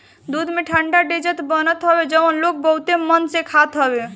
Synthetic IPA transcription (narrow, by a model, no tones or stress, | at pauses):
d̪ud̪ʱmeʈʰəɳɖaɖed͡ʒət̪bənət̪ɦɔbed͡ʒəənlok̚bəɦut̪emənsẽkʰat̪ɦɔbe